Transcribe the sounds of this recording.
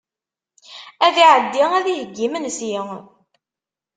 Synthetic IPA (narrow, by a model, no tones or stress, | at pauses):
æðiʕəd̪ːiʁæðihəɡːimənsjɪŋ